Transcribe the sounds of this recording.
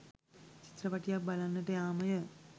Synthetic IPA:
t͡ʃi̥t̪ːrəpaʈijak̚balanːəʈəjaːməjə

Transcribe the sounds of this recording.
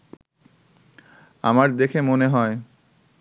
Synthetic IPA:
a̰maɾd̪ekʰemoneɦɔe

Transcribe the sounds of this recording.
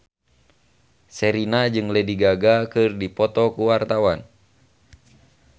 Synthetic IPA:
sɛɾinad͡ʒɨŋlɛdiɡaɡakɨrdipɔt̪ɔkuwart̪awan

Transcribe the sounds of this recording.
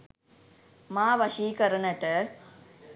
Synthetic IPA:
maːʋɐʃiːkɐɾɐnɐʈə

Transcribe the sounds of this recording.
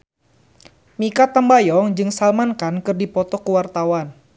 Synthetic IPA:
mikat̪ambajɔŋd͡ʒɨŋsalmankankɨrdipɔt̪ɔkuwart̪awan

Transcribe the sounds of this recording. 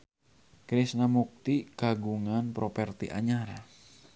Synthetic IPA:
kɾisnamuk̚t̪ikaɡuŋanpɾopɛrt̪iʔa̰ɲaɾa

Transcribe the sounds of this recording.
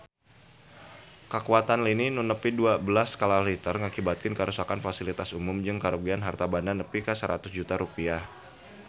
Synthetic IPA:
kəkuat̪anlininunəpiduabəlaskalalit̪ərŋakibat̪̚kɪnkəɾʔusakanfasilit̪asumʊmd͡ʒɨŋkaɾoɡianɦart̪abananəpikəsəɾʔa̰t̪ʊsd͡ʒut̪aɾupiah

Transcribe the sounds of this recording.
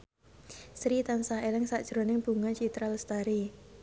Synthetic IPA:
sɾit̪ansaɦelɪŋsaʔd̥ʒ̥ɾonɪŋb̥ṳŋat͡ʃit̪ɾalst̪aɾi

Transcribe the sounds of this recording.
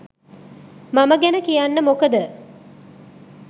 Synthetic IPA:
maməɡænəkijanːəmokəd̪ə

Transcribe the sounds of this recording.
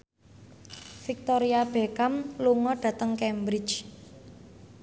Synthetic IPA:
fik̚t̪oɾiab̥ekamluŋɔɖ̥ä̤t̪əŋkɛmbɾɪ̥t͡ʃ

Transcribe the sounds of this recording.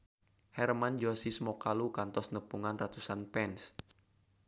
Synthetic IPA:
hɛrmand͡ʒɔsismɔkalukant̪ɔsnəpuŋanrat̪usanpɛns

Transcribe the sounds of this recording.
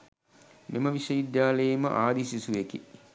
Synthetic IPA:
meməʋiʃɐjid̪jaːləjemə̰ʔaːd̪isisuʋekḭ

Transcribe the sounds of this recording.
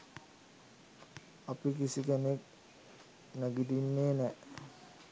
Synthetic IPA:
ɐpik̬isikanek̚ | naɡid̪inːeːnɛ

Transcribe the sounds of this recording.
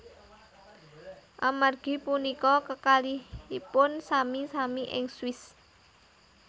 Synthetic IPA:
ʔamarɡ̥i̤punikɔkəkalihipʊnsamisamiʔɪ̰ŋswɪs

